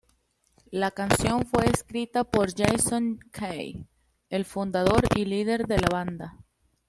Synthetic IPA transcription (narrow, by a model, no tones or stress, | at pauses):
lakansjo̞ɱfwe̞ːskɾit̪apo̞ɾd͡ʒejsoŋkʰej | e̞lfund̪aðo̞ɾilið̞e̞ɾðe̞laβ̞and̪a